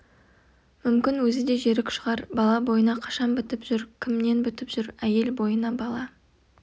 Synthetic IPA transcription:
mʏmkʲɪnwɵzɪd̪e̞ʒe̞ɾɪkʲʃəʁɑɾbɑlˠɑbo̞jənɑqʰɑ̥ʃɑnbɪt̪ɪpʒ̥ʏɾkʲʰɪmne̞nbʏt̪ɪpʒ̥ʏɾæje̞lbo̞jənɑbɑlˠɑ

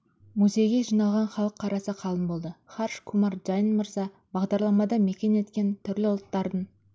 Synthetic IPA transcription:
muze̞jɡʲe̞ʒijnɑlˠʁɑnχɑlˠəqʰːɑɾɑsəqʰɑlˠəmbo̞lˠd̪əχɑrʃkʰumɑɾʒɑjənməɾzɑ | bɑʁd̪ɑɾlˠɑmɑd̪ɑme̞kʲe̞ne̞t̪kʲe̞nt̪ʰʏɾlɪʊlˠət̪ːɑɾd̪əɴ

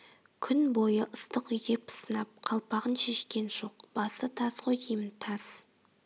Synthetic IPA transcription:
kʲʰʏnbo̞jəʔʊst̪əqʏjɪpsənɑp̚qʰɑlˠpɑʁənʃe̞ʃkʲe̞nʒo̞qb̥ɑsət̪ʰɑzqojijəmt̪ʰɑz̥

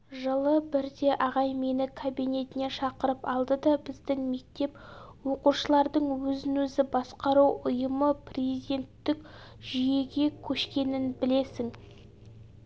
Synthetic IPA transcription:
ʒəlˠəbɪɾd̪e̞ʔɑʁɑjme̞nɪkʰobijne̞t̪ɪne̞ʃɑqəɾəpɑlˠd̪əd̪ɑbɪzd̪ɪŋme̞k̚t̪e̞pwo̞quʃəlˠɑɾd̪əɴwɵzɪnɵzɪbɑsqɑɾuwʊjəməpʰrʲezijd̪e̞nt̪ːɪk | ʒije̞ɡʲe̞kʲʰɵʃkʲe̞nɪnbɪle̞sɪŋ

